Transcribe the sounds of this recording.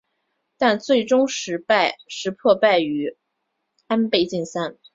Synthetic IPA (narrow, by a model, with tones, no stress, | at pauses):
t̪a˥˧nt͡swe˥˩ɪʈ͡ʂʊ˥ŋʂɻ̩˧˥pa˥˧ɪʂɻ̩˧˥pʰwɔ˥˧pa˥˩ɪy˧˥ | a˥npe˥˧ɪt͡ɕi˥˩nsa˥n